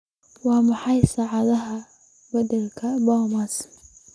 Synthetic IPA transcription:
wɑːmɑħɑjsaːʕɑðɐɦɐ | bɐd̪ɐlkʰɐbɐːmɐs

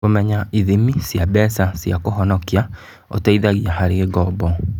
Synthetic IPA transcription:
omɛɲaiðimisjabɛsasjakoɦɔnɔkia | o̰teiðaɣiahaɾeɣeɡɔbɔ

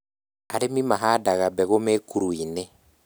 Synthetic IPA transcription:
aɾemimaɦadaɣabɛɣomekuɾuine

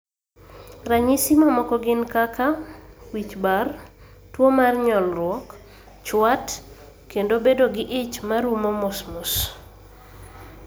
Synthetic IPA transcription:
raɲisimamɔkɔɡɪnkakawit͡ʃbar | twomarɲɔlrwɔk | t͡ʃwat | kendobedoɡɪʔɪt͡ʃmaɾumomosmus

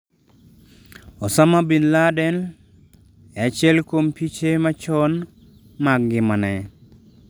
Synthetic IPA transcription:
ɔsamabinladɛn | ɛat͡ʃɪɛlkompit͡ʃemat͡ʃɔn | maɡɡɪmanɛ

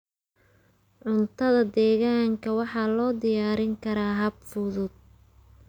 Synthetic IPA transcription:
ʕʊnt̪ʰɐðɐd̪ɛːɣaːŋkʰɐwɑħɑːlɔːd̪ɪjaːɾɪŋkʰɐɾaːɦɐbfʊðʊd̪̚

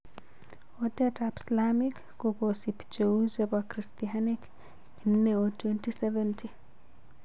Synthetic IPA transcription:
ɔdɛtapslamikːoɡosipt͡ʃoud͡ʒebakɾistianik | inːeotwentisɛvɛnti

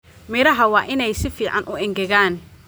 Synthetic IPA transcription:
mɪɾɐɦɐwɑːʔɪnɛjsɪfiːʕɑ̰nʔʊʔɪŋɡɛɣaːn

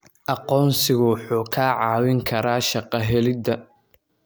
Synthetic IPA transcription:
ʔɑqɔːnsɪɣʊwħuːkʰaːʕɑːwɪŋkʰɐɾaːʃɑqɐɦɛlɪd̪ɐ

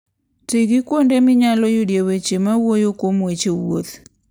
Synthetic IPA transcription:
tɪɡikwondemɪɲalɔjodjewet͡ʃemawojokomwet͡ʃewot

